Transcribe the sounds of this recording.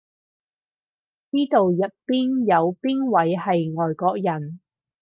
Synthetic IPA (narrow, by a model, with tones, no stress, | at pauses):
t͡siː˥t̪o˨wjɐ˨t̚piː˥njɐ˨˧wpiː˥nwɐ˨˥jɦɐ˨jŋɔː˨jkɔː˧k̚jɐ˨˩n